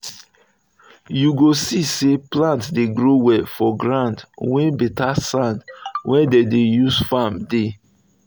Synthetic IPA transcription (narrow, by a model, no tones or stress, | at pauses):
juɡosiseplãntsdeɡɹowɛfɔɡɹãndwɛ̃nbitasãndwʔɛdedejusfamde